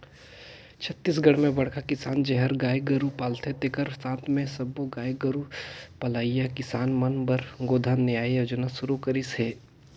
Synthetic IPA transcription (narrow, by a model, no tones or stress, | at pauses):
t͡ʃʰət̪ːis̬ɡɐɽmẽbɐɽkʰakɪsaːnd͡ʒɛɦəɾɡaːjɡɐɾupaːlt̪ʰet̪ekəɾsãːt̪ʰmẽsɐboɡaːjɡɐɾupɐlaːijakɪsaːnmɐnbɐɾɡoːd̪ʱanejaːiɐd͡ʒɐnasʊɾukəɾisɦeː